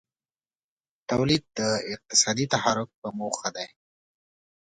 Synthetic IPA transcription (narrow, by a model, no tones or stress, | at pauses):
t̪awlid̪̚d̪əɪq̚t̪ɪ̥sɑd̪it̪ahɑɾʊk̚pəmoxad̪aj